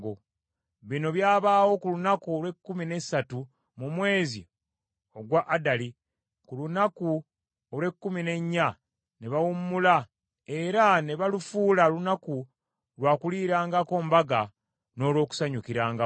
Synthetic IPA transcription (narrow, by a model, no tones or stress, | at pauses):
ɡo | βino̞βjaːβaːwo̞kulunakuolwe̞kːumine̞satu | mumwe̞ːzḭ | o̞ɡwaʔːdali | kulunaku | olwe̞kːumine̞ɲːa | neβawumːula | e̞ɾane̞βalufuːlalunaku | lwaːkuliːɾaːŋɡako̞ːmbaɡa | no̞ːlwo̞ːku̥saɲukiɾaːŋɡa